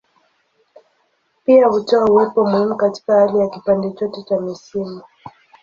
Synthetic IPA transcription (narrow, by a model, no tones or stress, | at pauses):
piahutɔauwɛpɔmuhimukati̥kahalijakipandɛt͡ʃɔtɛt͡ʃamisimu